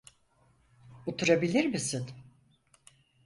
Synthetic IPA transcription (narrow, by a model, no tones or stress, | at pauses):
ut̪ʰuɾabilʲiɾmisin